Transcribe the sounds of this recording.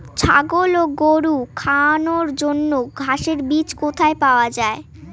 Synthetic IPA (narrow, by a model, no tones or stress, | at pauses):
t͡ɕʰa̰ɡoloɡoɾukʰanoɾd͡ʑonːoɡʱaʃeɾbit͡ɕkot̪ʰaepaoad͡ʑae